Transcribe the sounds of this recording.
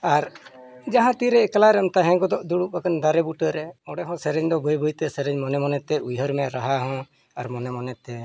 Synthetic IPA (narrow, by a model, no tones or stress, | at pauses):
aɾd͡ʒaɦãt̪iɾɛːkalaɾɛmt̪aɦɛ̃ɡɔd̪ɔʔd̪uɽuʔ̚bakand̪aɾɛbuʈəɾɛɔɽɛɦɔ̃sɛɾɛɲd̪ɔbəjbujt̪ɛsɛɾɛɲmɔnɛmɔnɛt̪ɛujɦəɾmɛɾaɦaɦɔ̃ | aɾmɔnɛmɔnɛt̪ɛ